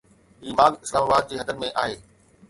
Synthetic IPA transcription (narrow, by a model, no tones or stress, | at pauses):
ɦiːmaːɡɪslaːmaːbaːd̪̚d͡ʑeːɦɐd̪əɾmẽʔa̰ːɦeː